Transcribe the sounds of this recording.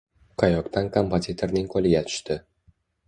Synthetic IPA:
qʰajɒkt̪ankʰompozʲit̪ʰo̞ɾnɪŋqʰolɪɡʲat̪ʰʊ̥ʃt̪ɪ

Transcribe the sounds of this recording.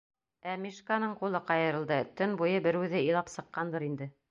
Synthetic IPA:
æmiʃkanɤɴqulˠɤqɑjɤ̆ɾɤ̆lˠd̪ɤt̪ɵnbujɤbɘ̆ɾʉðɘĭjlˠɑpsɤ̆qːɑnd̪ɤɾind̪ɘ

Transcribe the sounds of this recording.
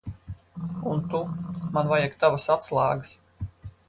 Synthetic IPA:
unt̪umanvajakt̪avasat̪slˠaːɡɨs

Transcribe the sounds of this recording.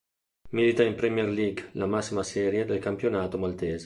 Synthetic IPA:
milit̪aimpɾɛmjɛɾliɡlamasimasɛɾjed̪elkampjonat̪omalt̪ɛːz

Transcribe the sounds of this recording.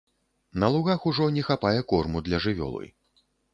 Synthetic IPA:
nɐlˠuɣaxuʐɔnʲɛxapajɛkɔrmud̪lʲɐʐɨvʲɔ̰lˠɨ̰j

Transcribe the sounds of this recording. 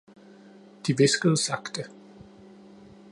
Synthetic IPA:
d̥iʋɪsɡ̥əð̩ˠsɑɡ̥d̥ə

